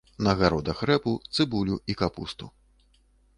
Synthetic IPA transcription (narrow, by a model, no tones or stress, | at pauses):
nɐɣaɾɔd̪ɐxrɛput̪sɨbulʲuikapṵst̪u